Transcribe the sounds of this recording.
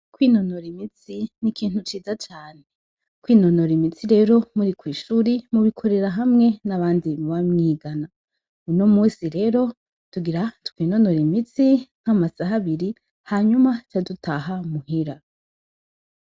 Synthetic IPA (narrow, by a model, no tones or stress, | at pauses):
kwino̞noɾimit͡sinikiːn̥hut͡ʃiːzat͡ʃaːne | kwiːno̞no̞ɾimit͡siɾe̞ːɾo̞muɾikwiːʃuːɾimuβikʰo̞ɾe̞ɾaɦamŋe̞naβaːndimuβamŋiːɡana | uno̞muːsiɾe̞ːɾo̞ | tuɡiɾatu̥kwiːno̞no̞ɾimit͡siŋ̥amasaɦaβiɾi | haɲumat͡ʃadutʰaɦamuhiɾa